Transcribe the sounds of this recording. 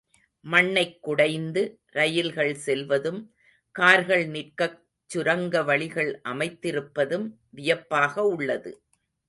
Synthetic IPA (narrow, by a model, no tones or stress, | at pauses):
mɐɳːɐɪkːʊɽɐɪnd̪ɯ | ɾɐjɪlɣɐɭsɛlʋɐðɯm | kaːɾɣɐɭnɪrkɐ | t͡ʃːʊɾɐŋɡɐʋɐɭɪɣɐɭʔɐmɐɪt̪ːɪɾɯpːɐðɯm | ʋɪjɐpːaːɣɐʊɭːɐðɯ̰